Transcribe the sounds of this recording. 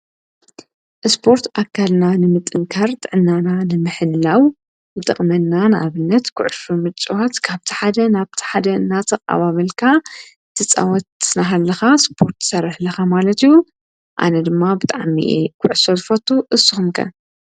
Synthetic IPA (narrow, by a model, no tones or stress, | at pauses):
ʔɨspʰo̞ɾt̪ʰakʰːalnanɨmɨt̪ʼːɨŋkʰɐɾt̪ʼɨʕɨnːananɨmɨħɨlːaw | nɨt̪ʼɨχʼmɐnːanɨʔaβɨnːɐt̪kʰʊ̰ʕɨsumɨt͡ʃʼwat̪kʰaβt̪ʰi̥ħad̪ɐnaβt̪ʰi̥ħad̪ɐɨnːat̪ʰɐkʼa̰βaβɐlkʰa | t̪ʰɨt͡sʼa̰wɔt̪naɦalːɐxaspʰo̞ɾt̪ːsɐrɨħlɐxamalɐt̪ijːu | ʔa̰nɐd̪ɨmːabɨt̪ʼaʕmḭʔekʰʊʕɨsozɨfɐt̪ʰʼːuʔɨsːuxumkʰɐ̰n